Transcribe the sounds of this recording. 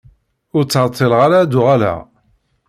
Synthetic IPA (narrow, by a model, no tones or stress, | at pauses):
ʊɾt͡sːəɾˤt̪ʰˤːilʁaɾad̪ʊʁalæ̰